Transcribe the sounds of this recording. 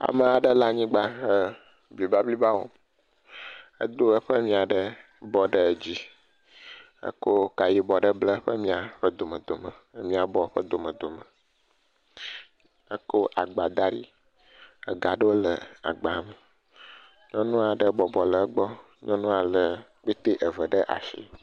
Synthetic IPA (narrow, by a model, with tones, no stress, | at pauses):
a̰˨mə˨a˨ɖə˦la˦ɲĩ˦ɡ͡ba˦ɦə˦ | bli˨ba˦bli˦ba˦wo̰˦ | ə̰˦d̪o˦ə˦ɸə˦mĩ˦a˨ɖə˦ | bɔ˨ɖə˦d͡ʑi˦ | ə̰˦ko˦ka˨ji˦bɔ˨ɖə˦blə˦ɸə˦mĩ˦a˨ɸə˦d̪o˨mə̃˨d̪o˨mə˨˦mĩ˦a˨bɔ˦ɸə˦d̪o˨mə˨d̪o˨mə˨ | ə˦ko˦ʔa˨ɡ͡ba˨d̪a˦ɖḭ˦ | ə˨ɡa˨ɖə˦wo˦lə˨a̰˨ɡ͡ba˨mə˨ | ɲɔ̃˦nũ˦a˨ɖə˦bɔ˨bɔ˨lə˨˦ɡ͡bɔ˦ | ɲɔ̃˦nũ˦a˨lə˨ | k͡pe˦t̪e˦ʔə˨və˨ɖə˦ʔa̰˨ʃḭ˦˨